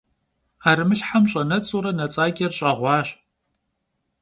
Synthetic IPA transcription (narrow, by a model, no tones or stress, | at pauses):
aːɾmɨɬħamɕʼɐnɐt͡sʼuɾɐnɐt͡sʼaːɡʲɐrɕʼɐʁʷɑːɕ